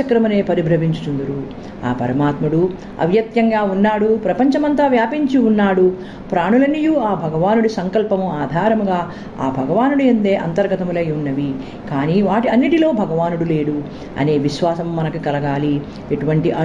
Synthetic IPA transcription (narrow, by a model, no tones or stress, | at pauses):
ɐkɾɐmɐne̞ːpɐɾibʱɾɐʋiɲt͡ʃu̥t̪und̪ɐɾu | a̰ːpɐ̰ɾɐmaːt̪muɽu | ɐ̰ʋjɐt̪jɐŋɡaːunːaːɽupɾɐpɐɲt͡ʃɐmɐnt̪aːʋjaːpiɲt͡ʃiunːaːɽu | pɾaːɳulɐnːijuaːbʱɐɡɐʋaːnuɽusɐŋkɐlpɐmuaːd̪ʱaːɾɐmuɡaː | a̰ːbʱɐɡɐʋaːnuɽiɐnd̪e̞ːʔɐ̰nt̪ɐɾɡɐt̪ɐmulɐjunːɐʋi | kaːniːʋaːʈiɐnːiʈilo̞ːbʱɐɡɐʋaːnuɽule̞ːɽu | ɐ̰ne̞ːʋiʃʋaːsɐmːɐnɐkukɐlɐɡaːli | eʈuʋɐɳʈiʔɐ